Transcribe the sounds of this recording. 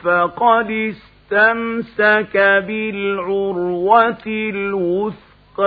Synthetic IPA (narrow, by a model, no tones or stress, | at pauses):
faqɑd̪ɪs | t̪amsakabɪlʕʊɾwatlwʊθ | q